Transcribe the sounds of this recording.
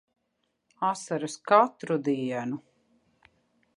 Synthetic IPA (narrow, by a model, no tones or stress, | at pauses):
asaɾɨskat̪ɾud̪iɛnu